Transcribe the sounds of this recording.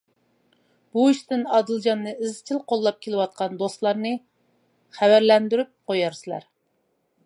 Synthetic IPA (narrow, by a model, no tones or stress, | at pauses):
b̥uiʃt̪ɪnɑd̪ɨlˠd͡ʒɑnːɨɪzt͡ʃʰilˠqʰolˠːɑp̚kʲʰelɪwɑt̪̚qʰɑnd̪ost̪lˠɑɾnɨ | χæwæɾlɛnd̪yɾyp̚qojɑɾsɨlˠɑ̰ɾ